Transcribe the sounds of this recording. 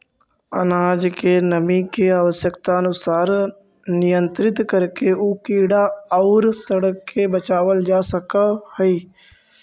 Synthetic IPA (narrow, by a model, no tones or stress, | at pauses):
ə̰naːd͡ʒkenəmikeaːʋəsjəkt̪aɐnʊsaːɾ | nɪjə̃nt̪ɾɪt̪kɐɾkeukiːɽaɔːɾsɐɽəkʰːebɐt͡ʃaːʋəld͡ʒaːsəkəhɛiː